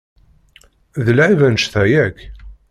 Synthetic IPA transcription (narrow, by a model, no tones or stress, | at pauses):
ðəlʕivænʃθæjæk